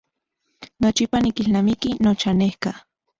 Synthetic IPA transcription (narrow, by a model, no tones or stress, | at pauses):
not͡ʃipanikilnamikinot͡ʃanehka